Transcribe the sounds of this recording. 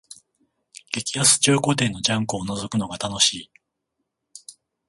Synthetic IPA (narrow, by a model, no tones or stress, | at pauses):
ɡ̥e̞kʲiasɨ̥t͡ɕɨːkot̪̬e̞ːnːo̞d͡ʑãŋkoːnozo̞kɯ̟no̞ɡat̪ano̞ɕiː